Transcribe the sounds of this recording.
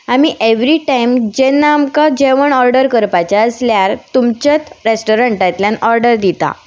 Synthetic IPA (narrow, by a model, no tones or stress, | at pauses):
amiʔeʋɾiʈajmd͡ʑenːaːmkad͡ʑeʋəɳɔɾɖəɾkəɾpat͡ɕaəsljaɾt̪umt͡ɕat̪ɾesʈɔɾəɳʈat̪ljanɔɾɖəɾd̪it̪a̰